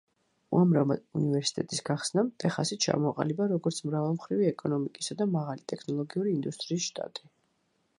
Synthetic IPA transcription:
ṵamɾavmad̪univɛɾsi̥t̪ʼɛt̪ʼisɡaχsnamt̪ʼɛχasit͡ʃʰa̰mɔqʼa̰libaɾɔɡɔɾt̪sʰmɾavalˠmχɾiviɛkʼɔnɔmikʼisad̪amaʁalit̪ʼɛkʰnɔlˠɔɡiuɾiːnd̪ust̪ʼɾiːsʃt̪ʼa̰t̪ʼi

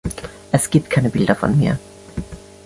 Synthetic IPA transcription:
ʔɛsɡ̥iːp̚t̚kʰaɪnəbɪldɐfɔ̰nmḭːɐ

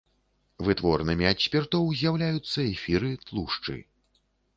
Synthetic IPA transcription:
vɨt̪vɔrnɨmʲiat̪ʲsʲpʲirt̪ɔwzʲjawlʲajut̪sːɐɛfʲiɾɨt̪lˠuʂt͡ʂɨ̰

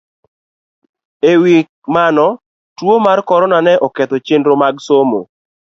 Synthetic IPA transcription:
ewik̚manɔ | twomarkɔɾɔnanɛʔɔkɛt̪ot͡ʃendɾomaɡsomo

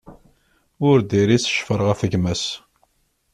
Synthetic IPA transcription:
ʊɾd̪iɾisə̥ʃfəɾˤʁæfəʝmæs

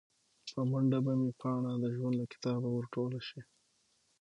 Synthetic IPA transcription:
pəmaɳɖabamipʰɑɳad̪əʒwand̪lakɪ̥t̪ɑbawəɾʈolaʃi

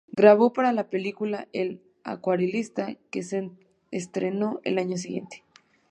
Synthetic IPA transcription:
ɡɾaβo̞paɾalapelikulael | a̰kwaɾilist̪akese | est̪ɾeno̞ʔḛlaɲos̬iɣje̞̰nt̪e̥

